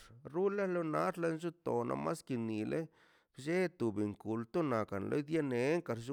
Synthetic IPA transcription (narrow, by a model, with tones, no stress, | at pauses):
ɾu˦le˦lo˧na˦ɾle˧nʃu˦t̪o˨nʔa̰˧ma˦ski˨ni˨le˦ | bʃe˦t̪u˨bi˨ŋku˨lt̪u˦na˨ka˨nlo̰˦jd̪ja˦ne˨˦ŋka˨ɾʃu˦